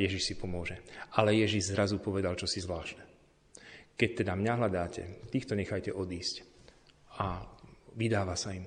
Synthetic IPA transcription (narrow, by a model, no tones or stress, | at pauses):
jɛʒiʃsipɔmʊɔʒɛalɛjɛʒiʒzɾazupɔʋɛd̪alt͡ʃɔsizʋlaːʃnɛ | kɛc̚t̪ɛd̪amɲaɦlad̪aːcɛ̰t̪iːxt̪ɔɲɛxajcɛʔɔd̪iːsc | aʋid̪aːʋasaim